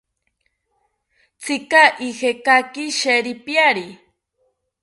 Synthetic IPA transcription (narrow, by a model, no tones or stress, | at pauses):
t͡sɪkaʔihekakiʃeɾipjaɾi